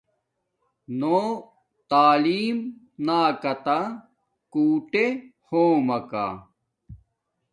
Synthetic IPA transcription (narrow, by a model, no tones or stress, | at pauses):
noː | t̪aːliːm | naːkɐt̪a | kuːʈehoːmɐka̰ː